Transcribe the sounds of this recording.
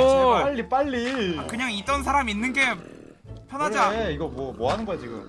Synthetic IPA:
paʎːip͈aʎːiakɯɲaŋit͈ʌnsʰaɾaminːɯnɡe̞ | pʰjʌnɦad͡ʑaeiɡʌmwʌmwoɦanɯnɡʌjad͡ʑiɡṵm

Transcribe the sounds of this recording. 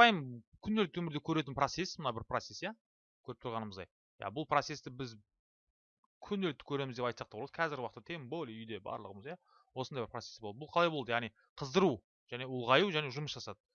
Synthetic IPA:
ɑjmkʲʰʏnd̪elk̚t̪ɪwɵmɪɾd̪e̞kʲʰɵɾe̞t̪̬ɪnpro̞t̪se̞smənɑbɪɾprose̞sja | kʲʰɵɾɪp̚t̪ʊɾʁɑnəməzd̪ɑ̰j | ja̰bʊlˠpro̞t̪se̞st̪ɪbɪz | kʲʰʏnd̪elɪk̚t̪ɪ̥kʲʰɵɾe̞mɪzd̪e̞pɑjt̪sɑq̚t̪ɑbolˠɑd̪əqʰɑzɪɾɡʲɪwɑqt̪ːɑt̪ʰeŋbolʲʏjd̪e̞bɑ̰ɾlˠəʁəməzjɑ | wo̞snɑjbɪɾprot̪sesbod̪bʊlˠqʰɑlˠɑjbolˠd̪əjɑʁnij | qʰəzd̪əɾu | ʒ̥æne̞ʊlˠʁɑjuwʒæne̞ʒʊməsʒɑsɑd̪ə

